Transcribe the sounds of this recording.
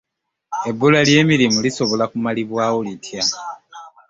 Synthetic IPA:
e̞bːulalje̞ːmiɾimuliso̞βo̞lakumaliβwaːwolitʰja

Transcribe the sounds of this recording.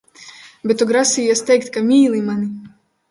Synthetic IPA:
bɛt̪ːuɡɾasijast̪ʲɛjk̚ʲt̪ʲkamʲiːlˠimani

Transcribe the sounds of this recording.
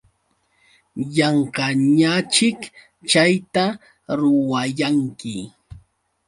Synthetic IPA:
jɑɴqɑɲat͡ʃɪk | t͡ʃajt̪a | ɾʊwajaŋkɪ

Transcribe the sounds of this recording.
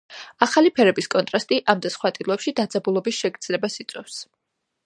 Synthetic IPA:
aχalipʰɛɾɛbiskʼɔnt̪ʼɾast̪ʼiʔamd̪asχwat̪ʼilˠɔɛpʃid̪ad̪zabulˠɔbisʃɛɡd̪zlɛbasit̪sʼwɛ̰fs

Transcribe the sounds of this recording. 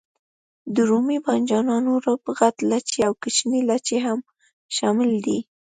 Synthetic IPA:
d̪əɾumibɑnd͡ʒɑnɑnoɾapɣat̪lat͡ʃeawkət͡ʃnelat͡ʃeɦam | ʃɑmɪld̪i

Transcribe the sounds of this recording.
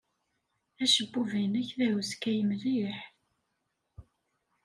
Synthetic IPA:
æʃəbːuvænæçðæhəskæjəmðiħ

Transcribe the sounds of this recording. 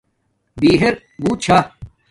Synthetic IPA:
biːɦeɾ | ɡuːt͡ɕʰa

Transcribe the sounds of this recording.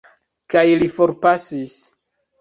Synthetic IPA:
kajlifo̞ɾpasis

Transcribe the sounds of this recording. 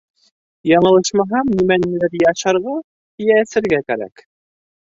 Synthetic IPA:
jɑɴɤ̆lˠɤʃmɑɦɑmnimænilæɾiɑʃɑɾʁɑ | t̪ijæːsɘ̆ɾɡækæɾæ̰k

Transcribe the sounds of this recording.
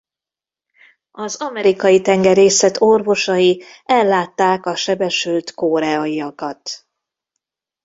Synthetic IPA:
ɒzɒmɛɾikɒjit̪ɛŋɡɛɾeːsɛt̪orvo̞ʃɒjiɛlːaːt̪ːaːkɒʃɛbɛʃylt̪koːɾɛɒiɒkɒt̪

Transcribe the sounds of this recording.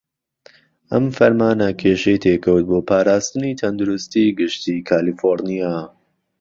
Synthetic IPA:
ʔɐ̰mfɐɾmaːnɐkʰeːʃejt̪ʰeːkʰɐwt̪̚boːpʰaːɾaːst̪ɨnit̪ʰɐnd̪uɾʊst̪iːɡɨʃt̪iːkʰaːlifoɾnijaː

